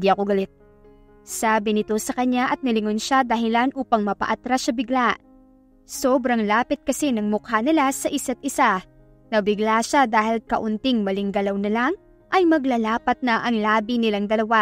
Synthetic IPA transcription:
d̪iʔɐko̞ɡɐlɪt̪̚ | saːbɪnɪt̪o̞sɐkɐɲaʔɐt̪̚nɪlɪŋonʃad̪ɐɦɪlanʔuːpɐŋmɐpɐ̰ʔat̪ɾaʃɐbɪɡlaʔ | soːbɾɐŋlaːpɪt̪̚kɐsɛnɐŋmʊkhanɪlasɐʔɪsat̪̚ʔɪsa | nɐbɪɡlaʃad̪aːhɪlkɐ̰ʔʊnt̪ɪŋmɐlɪŋɡɐlɐwnɐlaŋ | ʔɐjmɐɡlalaːpɐt̪̚nɐʔɐŋlaːbinɪlaŋd̪ɐlɐwa

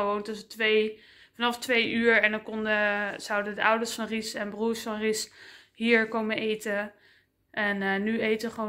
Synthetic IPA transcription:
əʋowntɔtsətʋej | fɑnɑftʋejʔyːɹɛndɔnkɔndəz̥ʌwdədəʔʌwdəɹsfɑnrisɛnbruːɹsfɑnris | ɦiːɹkowmənejtə | ʔɛnnːyejtəʋəχəʋo

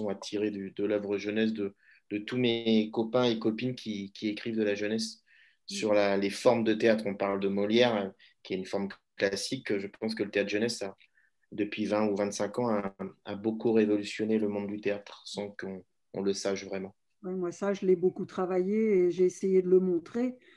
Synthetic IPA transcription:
ɔ̃at̪ʰiʁed̪yd̪əlœvʁəʒənɛs̬d̪ə | d̪̥ət̪umeekɔpɛ̃ekɔpinkʲʰikʲʰiekχivd̪əlaʒənɛsː | yʁlalefɔʁmd̪ət̪eat̪χɔ̃paʁld̪əmɔljɛʁ | kʲiɛt̪ynfɔʁmklasikøʒəpɑ̃s̬kələt̪eat̪χʒənɛsa | d̪əpɥivɛ̃uvɛ̃t̪sɛ̃kɑ̃aabokuʁevɔlysjɔneləmɔ̃d̪d̪yt̪eat̪χsɑ̃kɔ̰̃ː | ləsaʃvʁɛmɑ̃ | wɛmwasaʒəlɛbokut̪χavajeːʒeːsejed̪ələmɔ̃t̪χe

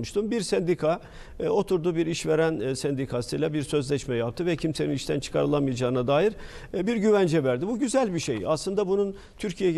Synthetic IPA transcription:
muʃt̪ʰumbiɾsɛnd̪ikʰa | o̞t̪ʰuɾd̪ubiɾiʃveɾænsɛnd̪ikʰasɯjlʲˠabiɾsø̞zlʲɛʃmɛjap̚t̪ʰɯvɛcʰimse̞niniʃt̪ʰænt͡ʃʰɯ̥kʰaɾɯlˠamɯjad͡ʒaːɯnad̪aːjiɾ | biɾɟyvænd͡ʒɛvæɾd̪ibuɟyzælʲbiʃḛjaslˠɯnd̪abunun | t̪ʰyɾcʰijɛ

